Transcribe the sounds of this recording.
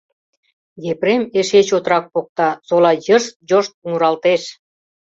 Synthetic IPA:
jepɾemeʃet͡ɕot̪rɑk̚pok̚t̪ɑsolɑjərʃ̚d͡ʑoʃt̪̚uŋuɾɑlt̪eʃ

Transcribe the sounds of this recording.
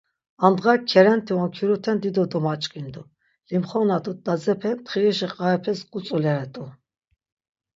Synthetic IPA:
and̪ʁakʰɛɾɛnt̪ʰiɔkʰiɾut̪ʰɛnd̪id̪ɔd̪ɔmat͡ʃʼkʼind̪u | limχɔnat̪ʼud̪ad͡zɛpʰɛnt̪χiiʃiqʼaɛpʰɛskʼut͡sʼulɛɾɛt̪ʼu

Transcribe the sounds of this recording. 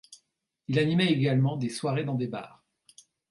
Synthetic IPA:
ilanimɛeɡalmɑ̃d̪eswaʁed̪ɑ̃d̪eba̰ːʁ

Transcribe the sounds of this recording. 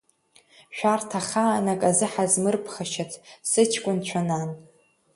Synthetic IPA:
ʃᶣartʰaχaːnakʼazɨħazmɨrpʰχaʃatʰsɨt͡ʃʰkʷʼʊnt͡ɕʷʰanan

